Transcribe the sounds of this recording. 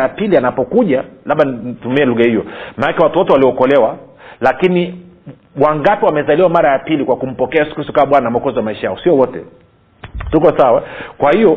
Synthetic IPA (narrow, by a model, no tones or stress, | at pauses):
japilianapɔkuʄalaɓanitumiɛluɣahijɔmanakɛwatuwɔtɛwaliɔkɔlɛwa | lakini | waŋɡapiwamɛzaliwamaɾajapilikwakum̩pɔkɛajɛsu̥kɾistɔkamaɓwanamɔkɔzwamaiʃajaɔsiɔwɔtɛ̰ | tukɔsawakwahijɔ